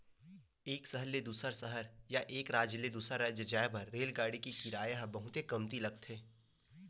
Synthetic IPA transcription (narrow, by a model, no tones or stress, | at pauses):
eːksəɦəled̪uːsəɾsəɦəɾjaʔeːkɾaːd͡ʒled̪uːsaɾad͡ʒəd͡ʒaːebɐɾːeːlɡaːɽikikɪɾaːjɦbɐɦʊt̪ekɐmt̪ilɐɡ̚t̪ʰɦeː